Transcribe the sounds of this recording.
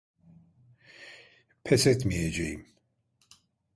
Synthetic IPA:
pʰɛsɛt̪mijed͡ʒḛjḭm

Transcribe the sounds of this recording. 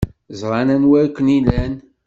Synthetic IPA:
zˤɾˤɑnænwæɾkʷːənilæn

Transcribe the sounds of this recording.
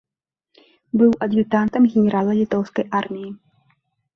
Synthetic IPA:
bɨwʔɐd̪jʲit̪ant̪ɐmɣʲɛnʲɛɾʔalˠɐlʲit̪ɔwskɐjʔarmʲiji

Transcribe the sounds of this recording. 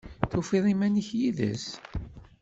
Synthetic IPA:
θufiðˤimæniçjiðə̰s

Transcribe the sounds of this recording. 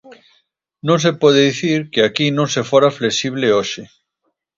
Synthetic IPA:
nõŋs̬epɔð̞eðiθiɾkeakinõŋsefoɾafleksiβ̞leoʃɪ

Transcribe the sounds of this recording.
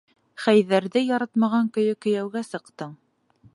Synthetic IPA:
χæjðæɾðɘjɑɾɑt̪mɑʁɑŋkɵ̆jɵkɵ̆jæwɡæsɤ̆qt̪ɤɴ

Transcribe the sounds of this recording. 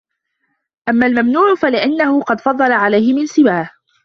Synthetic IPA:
ʔamːalmamnuːʕʊfalɪʔanːahʊqɑd̪fɑd̪ˤːɑlaʕalajhɪmɪnsɪbaːh

